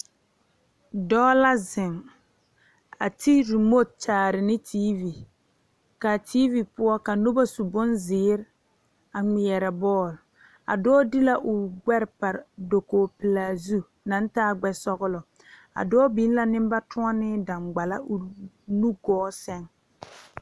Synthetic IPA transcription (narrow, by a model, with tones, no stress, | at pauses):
dɔː˦la˦zɪ˨ŋ | a̰˨tʰi˦ɾi˨mo˦t̚t͡ʃaː˨ɾɪ˨nɪ˦tʰiː˦vi˨ | ka˨tiː˦vi˨pʊ˦ɔ˦ka˨no˦ba˦su˨bʊ˦nzɪː˦ɾ | a˨ŋɪ˨jɛ˨ɾa˨bɔː˦˨l | a̰˨dɔː˦dɪ˦la˦ʔʊ˨ɡ͡bɛ˦ɾpa˨ɾdo˨koː˨pɪ˨laː˨zu˦ | na˨˦n˦taː˦ɡ͡bɛ˦sɔ˦ɣʊ˦lɔ˨ | a̰˨dɔː˦bi˦n˦la˦nɪ˦m˦ba˦tʰʊ˦ɔ˦nɪ˦da˨ŋɡ͡ba˨la˦ʊ˨ | nu˦ɡɔː˦sɛ˦ŋ